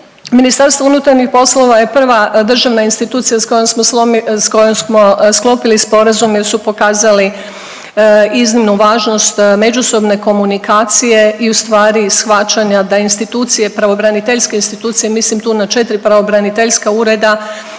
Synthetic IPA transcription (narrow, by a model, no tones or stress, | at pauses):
minist̪aɾst̪ʋo̞unut̪aɾɲixpo̞slˠo̞ʋaje̞pr̩ʋad̪r̩ʒaʋnainst̪it̪uːt̪sijasko̞jomsmoskojomsmo̞sklˠo̞pilispo̞ɾazumjeɾsupo̞kaːzali | iznimnuʋaːʒno̞st̪me̞d͡ʒuso̞bne̞ko̞munikaːt̪sije̞iust̪ʋaːɾisxʋat͡ʃaɲad̪ainst̪it̪uːt̪sije̞pɾaʋo̞bɾanit̪eʎske̞inst̪it̪uːt̪sijemislimt̪uːnat͡ʃe̞t̪ɾipɾaʋo̞bɾanit̪eʎskauɾe̞d̪a